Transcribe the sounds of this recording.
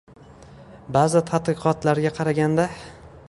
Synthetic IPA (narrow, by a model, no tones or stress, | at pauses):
bazɪt̪ʰad̪qɨqʰɒt̪laɾɡʲaqʰɑɾaɡʲand̪a